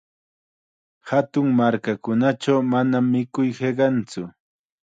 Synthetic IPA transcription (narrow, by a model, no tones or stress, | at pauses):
hat̪ʊŋmaɾkakʊnat͡ʃawmanamːɪkʊjheɢɑnt͡sʊ